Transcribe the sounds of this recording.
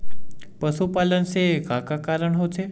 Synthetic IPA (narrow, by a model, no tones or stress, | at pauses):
pəsupaːlənɪsekakakaːɾəɽ̃ɦotʰe